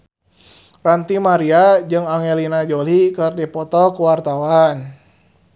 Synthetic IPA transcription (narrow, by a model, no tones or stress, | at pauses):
rant̪imaɾiad͡ʒɨŋaŋelinad͡ʒɔlikɨrdipɔt̪ɔkuwart̪awan